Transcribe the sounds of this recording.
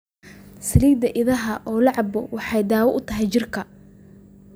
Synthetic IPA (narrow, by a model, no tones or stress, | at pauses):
sɐliːd̪ɐʔɪðɐɦɐʔɔːlɑʕɑbɔwɑħɑjd̪aːwɔʔʊt̪ʰɐɦɛjt͡ʃɪrkʰɐ